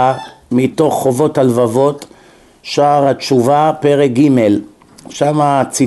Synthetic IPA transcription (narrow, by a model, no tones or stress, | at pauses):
amito̞χːo̞vo̞thalvavo̞t | ʃaːʁat͡ʃuvapeʁek̚ɡime̞l | ʃamat͡si